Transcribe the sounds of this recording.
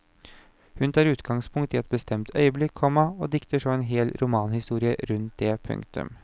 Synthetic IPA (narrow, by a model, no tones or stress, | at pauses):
hʉnt̪ʰɑːɾʉːt̪ɡɑŋspʰʊŋkt̪ɪɛt̪̚bəst̪ʰɛmt̪ʰœʏəblɪkʰːɔmːɑɔd̪ɪkt̪əʂɔmeːnɦeːlɾʔʊmɑːnhɪst̪uːɾɪəɾʉnt̪̚d̪ɛpʰɵ̰ŋkt̪ʉ̰m